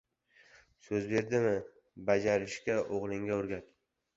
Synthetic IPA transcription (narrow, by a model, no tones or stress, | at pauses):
sɵzbe̞ɾd̪ɪmɪ | bad͡ʒaɾɪʃkʲaʔoʁlˠɪŋɡʲaɵɾɡʲat̪